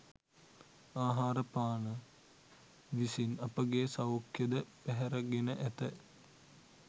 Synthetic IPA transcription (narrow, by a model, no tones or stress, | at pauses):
aːɦaːɾəpaːnə | ʋisinɐpəɡeːsɐwkjɐd̪əpɛɦɛɾɐɡenəʔæt̪ə